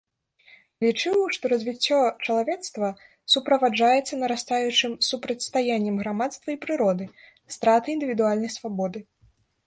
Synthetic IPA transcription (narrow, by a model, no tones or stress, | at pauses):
lʲit͡ʂɨwʂt̪ɔɾɐzʲvʲit͡sʲːɔt͡ʂɐlˠavʲɛt̪st̪vɐ | supɾɐvad͡ʐajɛt̪sːɐnɐɾast̪ajut͡ʂɨmsupɾɐt͡sʲst̪ajanʲːɛmɣɾamat̪st̪vɐipɾɨɾɔd̪ɨ | st̪ɾat̪ɨind̪ɨvʲid̪ualʲnɐjsvabɔd̪ɨ